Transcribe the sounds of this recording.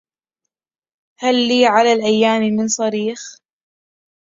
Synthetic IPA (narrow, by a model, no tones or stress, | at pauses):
halːiːʕalalʔajːaːmmɪnsˤɑɾiːx